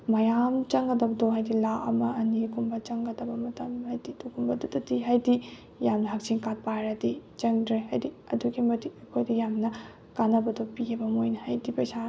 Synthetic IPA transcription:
mɐjamt͡ʃɐŋɡɐdɐbɐdoɦajdilaʔɐ̰mɐɐnikumbɐt͡ʃɐŋɡɐdɐbɐmɐtɐmhajdidukumbɐdudɐtiɦajdi | jamnɐɦɐk̚t͡ʃiŋkat̚paɾadit͡ʃɐŋdɾeɦajdi | ɐduɡimɐtiɐkʰojdɐjamnɐ | kanɐbɐdopiɡebɐmojnɐhajdipɐsa

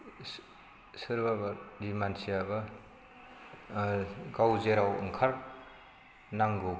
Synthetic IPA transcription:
sɯɾbabaɾdimansijabɐ | ɡawzeɾawɯ̰ŋkʰaɾ | naŋɡu

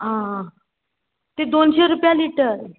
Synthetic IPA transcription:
ɦã | t̪ed̪onɕeɾupjaliʈəɾ

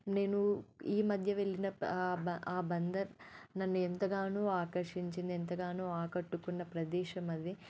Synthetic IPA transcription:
ne̞ːnuiːmɐd̪ʱjɐʋe̞ɭːinɐɐaːbɐnd̪ɐɾnɐnːuɛnt̪ɐɡaːnuːaːkɐɾʂiɲt͡ʃind̪iɛnt̪ɐɡaːnuːaːkɐʈːukunːɐpɾɐd̪ɛːʂɐmɐd̪i

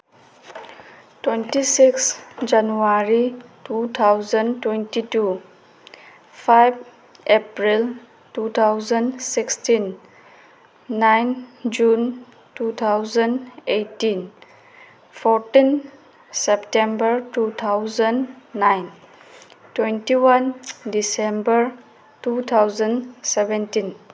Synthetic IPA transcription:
twentisiksd͡ʒanuaɾitut̪ʰawzəntwentitu | pʰajb | epɾil | tut̪ʰawzənsikstin | ajnd͡ʒun | tut̪ʰawzəndejtin | pʰɔɾtin | septembəɾtut̪ʰawzənːajn | twentiwandisembəɾ | tut̪ʰawzənsebentin

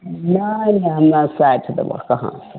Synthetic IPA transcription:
naneanːasatadɐ̰bɐ̰kaɦã̰sḁ

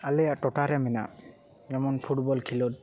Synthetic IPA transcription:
alɛaʈɔʈaɾɛmɛna | ɛmɔnpʰuʈbɔlkʰilot̚

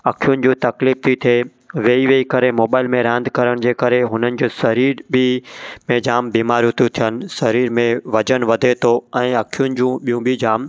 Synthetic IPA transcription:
ɐkʰijʊnɪ̆d͡ʑũːt̪ɐkliːft̪ʰit̪ʰie | ʋeːiʋeikɐɾemoːbaːɪlmẽɾãːnd̪ʱkɐɾəɽ̃d͡ʑeːkɐɾeɦʊnənɪ̆d͡ʑoːsɐɾiːɾbʱɪmẽd͡ʑaːmbiːmaːɾʊt̪ʰũt̪ʰijənɪ̆sɐɾiːɾmẽʋɐd͡ʑənʋɐd̪ʱet̪ʰoɛ̃ːɐkʰijʊnɪ̆d͡ʑũɓijũbʱɪd͡ʑaːm

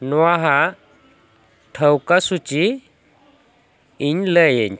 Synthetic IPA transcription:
nwaɦa | ʈʰəwkasut͡ɕi | iɲləjeɲ

